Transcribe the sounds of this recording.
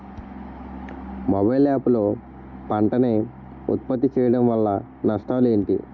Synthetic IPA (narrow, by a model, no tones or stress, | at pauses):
mobɐjlaːpulo̞ː | pɐɳʈɐneː | ṵt̪̚pɐt̪ːit͡ʃɛːjɐɽɐmʋɐlːɐ | nɐʂʈaːle̞ːɳʈḭ